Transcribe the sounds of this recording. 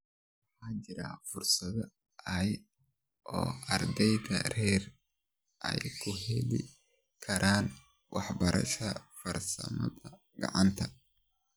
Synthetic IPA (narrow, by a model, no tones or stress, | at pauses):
wwɑħaːd͡ʒɪɾɐ̰fʊrsɐðɐ | ɐj | ʔɔːɐrd̪ɛjd̪ɐrɛːr | ʔɐ̰jkʰʊɦɛlɪ̰ | kʰɐɾʔaːn | wɑħbɐɾʔɐ̰ʃɐfɐrsɐ̰mɐðɐ | ɡɐ̰ʕɑnt̪ʰɐ